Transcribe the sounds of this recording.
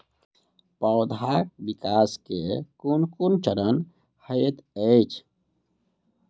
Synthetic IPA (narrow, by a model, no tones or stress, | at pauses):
pəʊd̪ʱak̚bikaskekunkunt͡ʃəɾən | həjət̪ət͡ʃʰ